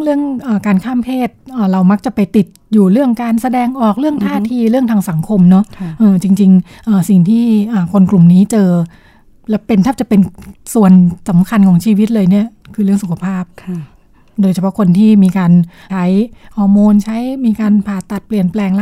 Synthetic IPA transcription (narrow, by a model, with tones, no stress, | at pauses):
ɾɯ˥˩əŋʔaː˨˩kaː˧nkʰaː˥˩mpʰeː˥˩t̪̚ʔəː˨˩ɾa˧wma˦˥k̚t͡ɕa˨˩pa˧jt̪i˨˩t̪̚juː˨˩ɾɯ˥˩əŋkaː˧nsa˧dɛː˧ŋʔɔː˨˩k̚ɾɯ˥˩əŋt̪ʰaː˧˥˩t̪ʰiː˧ɾɯ˥˩əŋt̪ʰaː˧ŋsa˩˦ŋkʰo˧mnɔ˦˥ʔɤː˨˩t͡ɕi˧ŋt͡ɕi˧ŋ | ʔɤː˨˩si˨˩ŋt̪ʰiː˥˩ʔaː˨˩kʰo˧nklu˨˩mniː˦˥t͡ɕɤː˧ | lɛ˦˥wpe˧nt̪ʰaː˥˩t͡ɕa˨˩pe˧nsu˨˩ənsa˩˦mkʰa˧nkʰɔː˩˦ŋt͡ɕʰiː˧wi˦˥t̪̚lɤː˧jni˥˩ɐkʰɯː˧ɾɯ˥˩əŋsu˨˩kʰa˧˩pʰaː˥˩p̚ | doː˧jt͡ɕʰa˧pʰɔ˦˥kʰo˧nt̪ʰiː˥˩miː˧kaː˧n | t͡ɕʰa˦˥jhɔː˧moː˧nt͡ɕʰa˦˥jmiː˧kaː˧npʰaː˨˩t̪ːa˨˩t̪̚pli˨˩ənplɛː˧ŋla˥